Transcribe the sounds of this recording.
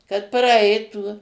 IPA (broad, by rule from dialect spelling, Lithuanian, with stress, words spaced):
kɐt prɐˈɐɪtuː